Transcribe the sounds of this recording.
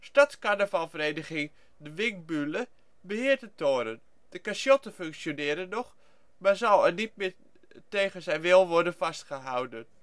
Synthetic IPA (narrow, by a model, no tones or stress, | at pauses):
statkanəfalˠfəreːdəɣɪŋ | dəʋɪŋk̚bylə | bəhɪːəɹtətoːɾən | d̥əkasjɔtəføŋksjonɪːəɾənːɔχ | mazawənit̚mɪ | teːɣənzɛjʋɪlˠʋɔɹdənfastχəɦawdən